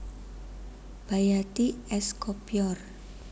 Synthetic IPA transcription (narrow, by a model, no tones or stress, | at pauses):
b̥ajat̪iɛskopjɔr